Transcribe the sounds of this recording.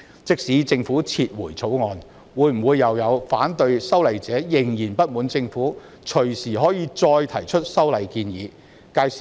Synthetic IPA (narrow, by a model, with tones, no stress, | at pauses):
t͡sɪ˥k̚siː˨˥t͡sɪ˧ŋfuː˨˥t͡sʰiː˧t̚wuː˨˩jt͡sʰo˨˥wŋɔː˨˧n | wuː˨˧jm̩˨˩wuː˨˧jːɐ˨˧wjɐ˨˧wfaː˨˥nt̪ɵ˧ɥsɐ˥wlɐ˨jt͡sɛː˨˥jɪ˨˩ŋjiː˨˩npɐ˥t̚muː˨˥nt͡sɪ˧ŋfuː˨˥ | t͡ʃʰɵ˨˩ɥsiː˨˩ɦɔː˨˥jiː˨˧t͡sɔː˧jt̪ʰɐ˨˩jt͡ʃʰɵ˥t̚sɐ˥wlɐ˨˧jkiː˧njiː˨˧ | kaː˧j